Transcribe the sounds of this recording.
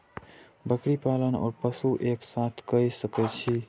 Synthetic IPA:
bəkɾipalənɔ̰ɾpəsuʔeksat̪ʰkəjsəkɛt͡ʃʰi

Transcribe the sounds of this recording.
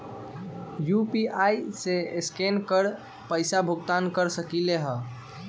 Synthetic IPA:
jupiajseeskenkəɾ | pəɪsabʱuɡt̪ankəɾsəkileɦə

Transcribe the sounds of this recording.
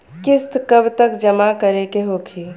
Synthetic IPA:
kɪst̪kɐbt̪əkd͡ʒəmakəɾekeɦoːkʰiː

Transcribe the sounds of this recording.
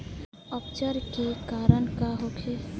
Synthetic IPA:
ɔːpt͡ʃəɾkekaːɾəɳkaɦokʰeː

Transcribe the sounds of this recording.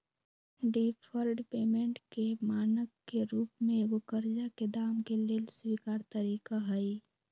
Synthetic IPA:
ɖipʰəɾɖpeːmẽɳʈkemaːnəkːeɾuːpmẽɡokəɾd͡ʒaked̪aːmkeleːlswiːkaːɾt̪əɾiːkaɦəi

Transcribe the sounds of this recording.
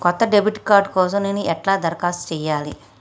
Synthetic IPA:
kɔt̪ːɐɖebʱiʈkaːɾɖkɔːs̬ɐmneːniʔɛʈlaːd̪ɐɾkaːst͡ʃɛːjaːli

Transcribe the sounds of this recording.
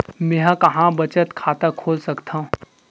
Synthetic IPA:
mẽɦãkɐɦãbɐt͡ʃət̪kʰaːt̪akʰoːlsɐkt̪ʰãũ

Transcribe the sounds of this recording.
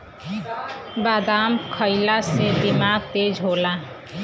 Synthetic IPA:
baːd̪aːmkʰəɪlased̪ɪmaːɡ̚t̪eːd͡ʒɦoːla

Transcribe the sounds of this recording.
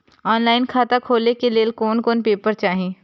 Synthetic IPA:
ɔːnlaːɪnkʰaːt̪akʰoːlekeleːlkoːnkoːnpeːpəɾt͡ʃaːɦĩː

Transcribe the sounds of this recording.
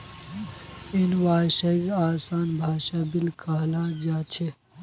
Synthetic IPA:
enwaːʃakeaːsaːnbʱaːʃabilkʰəɦlad͡ʒat͡ʃʰe

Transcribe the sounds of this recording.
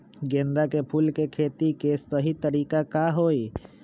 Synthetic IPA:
ɡẽːnd̪akepʰuːlkekʰeːt̪ikesəɦit̪əɾiːkakaɦoːi

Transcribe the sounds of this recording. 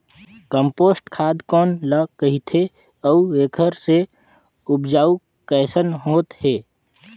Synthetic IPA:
kəmpoːsʈkʰaːd̪kɔːnləkəɦit̪ʰe | əueːkʰəɾse | ʊpd͡ʒaːu | kɛːsənɦoːt̪heː

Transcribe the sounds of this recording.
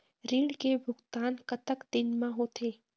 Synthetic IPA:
ɾiːɽkebʱʊɡt̪aːnkət̪əkd̪ɪnmãɦot̪ʰeː

